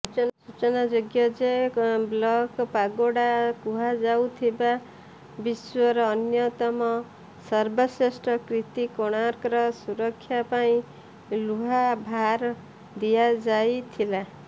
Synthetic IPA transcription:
sut͡ʃnasut͡sʌnad͡zoɡjʌd͡zeblʌkpaɡoɽakuɦad͡zawt̪ʰiba | biswʌɾʌːnjʌt̪ʌmʌ | sʌrbʌsesʈrʌkrit̪ikoɽ̃aɾkɾʌsuɾʌkʰːjapaĩ | luɦabʱaɾ | d̪ijad͡zajt̪ʰila

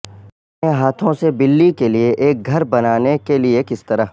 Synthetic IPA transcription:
eɦaːt̪ʰõsebɪlːikelieʔeːk̚ɡʱɐɾbɐnaːnekeliekɪst̪ɐɾaɦ

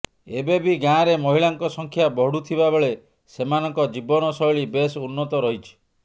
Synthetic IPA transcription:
ebebiɡãɾemɔɦiɭaŋkɔsɔŋkʰjabɔɽut̪ʰiβabeɭe | semanɔŋkɔd͡ʒibɔnɔsɔjɭibesunːɔt̪ɔɾɔɦit͡ʃʰi̥

